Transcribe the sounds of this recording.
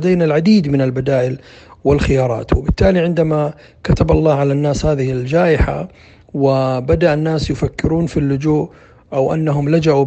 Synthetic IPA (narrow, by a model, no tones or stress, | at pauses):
d̪aːnalʕad̪iːd̪mɪnalbad̪aːʔɪlwɪlxɪjɑːɾˤɑ̰ːt̪wɪbɪt̪ːaːliʕɪnd̪ama | kat̪abɑ̰lˤːɑːʕalanːaːshaːðɪhɪld͡ʒaːʔɪħa̰ | wɪbad̪aʔanːaːsjʊfakːɪɾuːnfilːʊd͡ʒuːʔ | ʔawʔa̰nːaɦʊmlad͡ʒaʔu